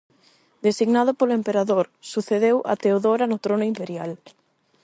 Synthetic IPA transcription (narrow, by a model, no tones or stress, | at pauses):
d̪esiɣnað̞ʊpolʊempeɾaðoɾsuθeðewʔa̰t̪eoðoɾanʊt̪ɾonʊimpeɾjal